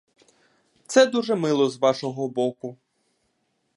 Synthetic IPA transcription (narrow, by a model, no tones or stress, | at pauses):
t̪sɛd̪uʒɛmɪlˠɔzʋɑʃɔɦɔbɔkʊ